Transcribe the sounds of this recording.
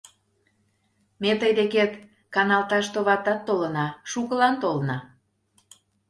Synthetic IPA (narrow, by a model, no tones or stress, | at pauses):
met̪əjd̪eket̪ | kɑnɑlt̪ɑʃt̪oβɑt̪ɑt̪ːolənɑʃukəlɑnt̪olnɑ